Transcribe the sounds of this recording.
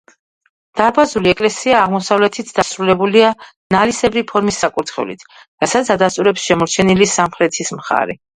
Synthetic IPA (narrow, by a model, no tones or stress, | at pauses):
d̪̥aɾbazuliɛkʼlɛsiaːʁmɔsavlɛt̪ʰit̪ʰd̪̥asɾulɛbulianalisɛbɾipʰɔɾmisːakʼuɾt̪χɛ̰vlḭt̪ʰ | ɾasat̪sʰad̪ast̪ʼuɾɛpsʃɛmɔɾt͡ʃʰɛnilisamχɾɛt̪ʰismχa̰ɾɛ